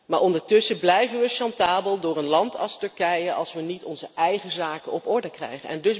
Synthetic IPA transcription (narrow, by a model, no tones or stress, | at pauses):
maːɹʔɔndəɹtɵsəblɛjvənʋəʃɑntaːbəlˠdʊːɹənlɑntʰɑlˠstɵɹkɛjəʔɑ̰lˠsʋənitɔnzəʔɛjχəzaːkənɔpɔɹdəkrɛ̰jχənɛ̰ndɵs